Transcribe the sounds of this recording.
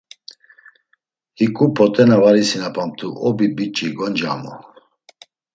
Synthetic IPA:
hikʼupʰɔt̪ʼɛnavaɾisinapʰʼam̚t̪ʰuʔɔbibit͡ʃʼiɡɔnd͡ʒa̰mɔ

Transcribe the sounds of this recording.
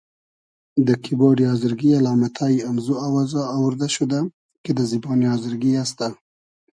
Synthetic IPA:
d̪əkʰibɑɽiɑzəɾɡialɑmat̪ʰaiamzuawazaːwʊɾd̪aʃud̪a | ked̪əzibɑnijɑzɪɾɡiast̪a

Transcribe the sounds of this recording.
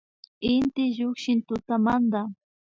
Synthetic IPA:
ɪnt̪ɪʎʊkʃɪnt̪ʊt̪amand̪a

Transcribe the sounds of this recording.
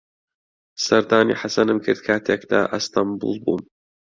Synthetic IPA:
sɐɾd̪aːnḭːħasɐnɨmkʰɨɾd̪̚kʰaːt̪ʰeːkd̪a̰ːʔɐst̪ʰɐmbṵlˠbṵːn

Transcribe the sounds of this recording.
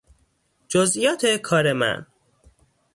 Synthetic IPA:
d͡ʒozijɒːt̪ʰekʰɒːɾemæ̰n

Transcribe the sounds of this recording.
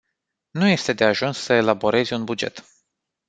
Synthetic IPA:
nuje̞st̪e̞d̪e̞aʒunssəe̞labo̞ɾe̞zʲunbud͡ʒe̞̰t̪

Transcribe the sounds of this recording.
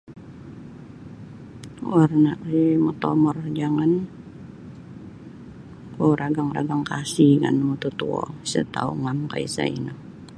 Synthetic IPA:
warnakimɔt̪ɔmɔrd͡ʒaŋan | koɾaɡaŋra̰ɡaŋkasiŋa̰nmɔt̪ut̪uɔ̰sə̰t̪a̰uŋamka̰ḭsa̰ḭna

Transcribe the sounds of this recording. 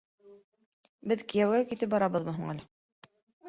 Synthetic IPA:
bɘðkijæwɡækit̪ɘp̚bɑɾɑβɤðmɤ̆ɦuɴŋælɘ

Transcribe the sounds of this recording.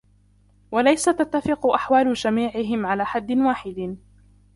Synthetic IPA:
walajsat̪at̪ːafɪqʊʔaħwaːlʊd͡ʒamiːʕɪɦɪmʕalaːħad̪ːɪnwaːħɪd̪

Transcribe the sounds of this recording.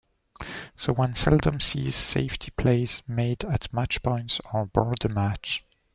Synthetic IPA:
soʊwʌ̃nsɛlˠdə̃msḭz̥sḛɪftʰipʰl̥eɪzmeɪdɨtmat͡ʃpʰɔ̃ɪ̃ntsn̩bɔɹd̪əmat͡ʃ

